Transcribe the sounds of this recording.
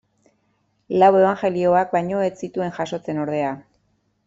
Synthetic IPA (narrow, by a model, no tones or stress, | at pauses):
lawe̞β̞aŋxe̞lio̞ak̚bajɲo̞et͡sit̪ue̞ŋʝaso̞t͡se̞no̞ɾð̞e̞a